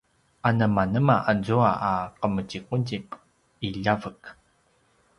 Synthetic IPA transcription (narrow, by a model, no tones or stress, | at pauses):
ʔanəmanəmaʔad͡zuaʔaqəməciquɟip | iʎavək